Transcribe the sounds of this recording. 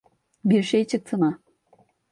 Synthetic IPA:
biɾʃejt͡ʃʰɯk̚t̪ʰɯma

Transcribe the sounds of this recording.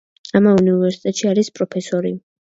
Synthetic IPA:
amauniuvɛɾsi̥t̪ʼɛt̪ʼʃiaɾispʼɾɔpʰɛsɔɾi

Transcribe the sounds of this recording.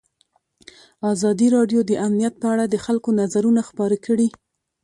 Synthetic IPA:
ɑzɑd̪iɾɑɖjod̪əʔamnijat̪̚pəaɽad̪əxalkonazaɾunaxpɑɾəkʰəɽi

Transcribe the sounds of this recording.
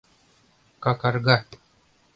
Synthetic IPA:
kakaɾɡa

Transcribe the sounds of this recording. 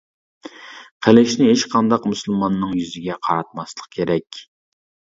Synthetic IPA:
qʰælɪʃnɪɦet͡ʃqʰɑnd̪ɑqmusɨlˠmɑnːɨŋjyzɪɡʲɛqʰɑɾɑt̪̚mɑslˠəq̚kʲʰeɾɛkʲ

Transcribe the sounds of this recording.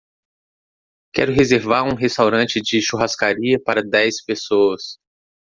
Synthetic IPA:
kɛɾʊɦezeɾvaɾũɦest̪awɾɐ̃t͡ʃɪd͡ʒɪʃuɦaskaɾiɐpaɾɐd̪ɛjspesoɐs

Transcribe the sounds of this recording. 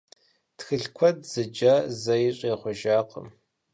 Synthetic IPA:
txɨɬkʷʰɔdz̥ɨd͡ʒɐzɐjɪɕʼeːχʷɔʒaːqə̰m

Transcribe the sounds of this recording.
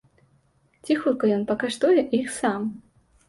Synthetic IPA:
t͡sʲixut̪̚kɐjɔnpɐkaʂt̪ujɛʔixsam

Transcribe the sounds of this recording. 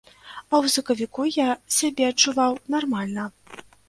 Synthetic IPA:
ɐwsɐkɐvʲikujasʲabʲɛɐt͡ʂːuvawnarmalʲnɐ

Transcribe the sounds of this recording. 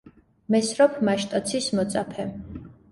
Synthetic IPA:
mɛsɾɔpʰmaʃt̪ʼɔt̪sʰismɔt̪sʼapʰɛ

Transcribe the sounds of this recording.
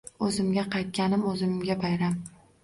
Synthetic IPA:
ɵzɪmɡʲaqʰɑjt̪̚kʲanɪmɵzɪmɡʲabajɾam

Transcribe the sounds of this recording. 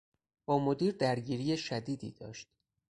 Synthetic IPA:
b̥ɒːmo̞d̪iːɾd̪æɾɟiːɾijeʃæd̪iːd̪ḭːd̪̥ɒːʃt̪̚

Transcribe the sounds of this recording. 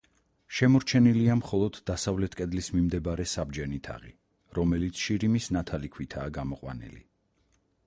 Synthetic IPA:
ʃɛmɔɾt͡ʃʰɛniliamχɔlˠɔd̪ːasavlɛt̪ʰkʼɛd̪lismimd̪ɛbɾɛsabd͡ʒɛnit̪ʰa̰ʁḭ | ɾɔmɛlit̪sʰʃiɾimisnat̪ʰalikʰwit̪ʰaːɡamɔqʼwa̰nḭlḭ

